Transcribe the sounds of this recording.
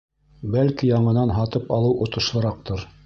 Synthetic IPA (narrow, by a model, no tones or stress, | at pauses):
bælkijɑɴɤ̆nɑnɦɑt̪ɤpɑlˠɤwʔŏt̪ɤ̆ʃlˠɤ̆ɾɑq̚t̪oɾ